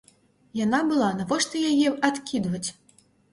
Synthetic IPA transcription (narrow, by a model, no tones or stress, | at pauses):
janabɨlˠanavɔʂt̪ɨjajɛat̪kʲid̪vɐt͡sʲ